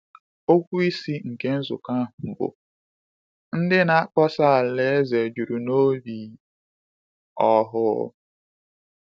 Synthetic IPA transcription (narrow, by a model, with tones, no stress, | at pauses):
o˦kʷu˦i˦si˦ŋ̩˨ke˦n̩˦zʊ̰˨ka˦˨m̩˨bʊ̰˨ | n̩˦dɪ˦na˦a˦kɔ˦sa˦˨le˦ze˨d͡ʒu˨ɾu˨no˦li˨ | ɔ˦ɦʊ˦